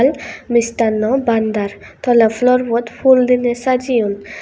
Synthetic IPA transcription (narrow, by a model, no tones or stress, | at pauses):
lmist̪anːɔband̪aɾ | t̪ʰɔlapʰlɔɾbɔt̪pʰuld̪inesad͡ʒiun